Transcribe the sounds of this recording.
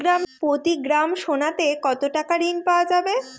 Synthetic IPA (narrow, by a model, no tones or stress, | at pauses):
ɡɾampot̪iɡɾamʃonat̪ekɔt̪oʈakaɾinpaoad͡ʑabe